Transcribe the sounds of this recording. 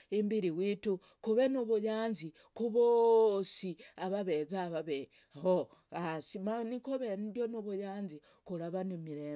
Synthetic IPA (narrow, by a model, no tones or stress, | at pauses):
embiɾiwitu | kuβenuβujaːnzi | kuβosiaβaβezaβaβe | ho | asimanikoβendjonuβujaːnzi | kulaβanemiɾe